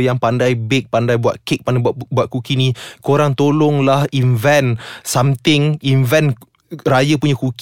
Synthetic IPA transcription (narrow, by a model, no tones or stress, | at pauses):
jaŋpandajbek̚pandajbuat̪̚kek̚panbuat̪̚kukinĩkoɾaŋt̪olɔŋlahinvɛnsamt̪ɪŋinvɛn | rajapuɲakuk